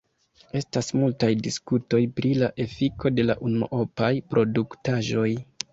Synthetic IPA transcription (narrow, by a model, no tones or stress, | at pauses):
e̞stasmultajdiskuto̞jpɾilaʔe̞fikʰo̞de̞la̰ʔuno̰ʔopajpɾo̞duktaʒo̞j